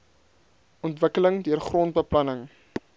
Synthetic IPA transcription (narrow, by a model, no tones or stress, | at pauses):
ʔɔntvəkələŋdyərχruənt̚bəplɐnəŋ